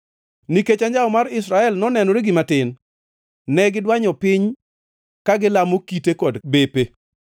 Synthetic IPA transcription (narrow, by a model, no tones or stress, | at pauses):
niket͡ʃaɲd͡ʒaɔmaɾɪs̬ɾaɛlnɔnɛnɔɾeɡɪmatɪn | nɛɡɪdwaɲɔpɪɲ | kaɡɪlamokitekɔdbepe